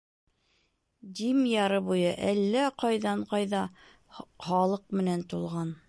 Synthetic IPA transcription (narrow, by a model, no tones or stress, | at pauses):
d̪imjɑɾɤβujɤʔælːæqɑjðɑɴqɑjðɑ | χɑlˠɤq̚mɘ̆nænt̪ulˠʁɑn